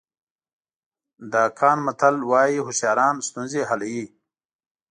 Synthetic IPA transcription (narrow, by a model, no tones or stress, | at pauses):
d̪aːkʰaːnmɐt̪ʰəlwaːjiɦusjaːɾaːnst̪unzeɦɐlji